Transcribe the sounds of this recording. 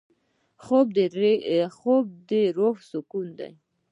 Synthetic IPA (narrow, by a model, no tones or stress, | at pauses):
xobd̪ɾxob̚d̪əɾoxsʊkund̪a̰j